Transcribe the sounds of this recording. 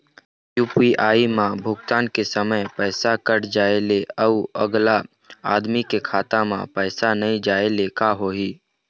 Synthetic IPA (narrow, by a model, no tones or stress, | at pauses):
jupiʔaːimãbʱʊɡt̪aːnkesəməjpɛːsakəɾd͡ʒaːeleəuəɡla | aːd̪mikekʰaːt̪amã̰pɛːsanəĩd͡ʒaːelekaɦoːiː